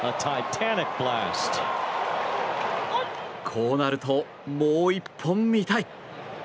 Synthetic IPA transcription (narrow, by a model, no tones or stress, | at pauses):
ətʰaɪtʰænɪk̚b̥læst | kʰoːnaɾɯ̟t̪o | moːipʰːõmːʲit̪ai